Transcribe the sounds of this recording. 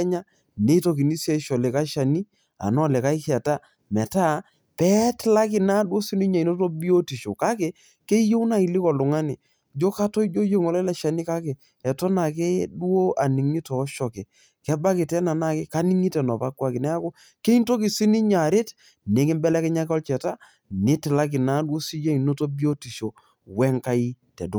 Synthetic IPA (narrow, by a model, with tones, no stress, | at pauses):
ɛ˦ɲa˦ | ne˨˦i˦to˨k̬i˨ni˦sjɛ˦ʃɔ˨lɛ˨ka˦ʃa˨ni˦ | a̰˨nɔ˦˨lɛ˨ka˦i˦kɛ˨ta˦ | mɛ˨ta˦˨ | pɛ˦tla˦kɪ˨na˦dwo˦si˦ni˦ɲa˨no˦to˦bi˦o˦ti˨ʃo̰˨ka˦kɪ˨ | ke˦jo˦na˦i˨lɪ˦kɔ˨lʊ˨ŋa˦nɪ˨ | d͡ʒo˦ka˦tɔ˦i˦d͡ʒo˦je˦ŋɔ˨lɛ˦la˦ʃa˨ni˦ka˦kɪ˨ | ɛ˨tɔ˦na˨kɪ˦du˦o˦ʔa˨ni˨ŋi˦tɔː˨˦ʃɔ˨kɪ˨ | kɛ˦ba˦kɪ˨tɛ˦na˨na˦˨kɪ˦ka˦ni˦ŋi˦tɛ˨nɔ˨pa˦kwa˦kɪ˨nɛ˦a˦ko˦ | ke˦i˦nto˦kɪ˨si˦ni˦ɲa˨ɾɪ˦t | ne˨˦kɪ˦mbɛ˦lɛ˦kɛ˦ɲa˦kɔ˦lt͡ʃɛ˨ta˦ | nɪ˦tɪ˨la˦k̬ɪ˨na˦dwo˦si˦je˦i˨no˦to˦bi˦o˦ti˨ʃo˨ | wɛ˦ŋka˦i˦tɛ̰˨dʊ˨˦